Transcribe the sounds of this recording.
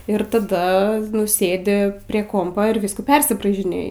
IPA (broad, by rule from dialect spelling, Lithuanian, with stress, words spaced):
ɪr tɐˈdɐ nʊ ˈsʲeːdʲɪ pʲrʲiɛ ˈkoːmpɐ ɪr ˈʋʲiːskuː ˈpʲɛrʲsʲɪbrɐɪʒʲɪnʲeːjɪ